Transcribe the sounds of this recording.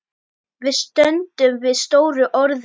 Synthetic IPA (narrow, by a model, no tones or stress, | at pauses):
vɪðst̪œnt̪ʏmvɪðst̪oːwɾʏʔɔɾð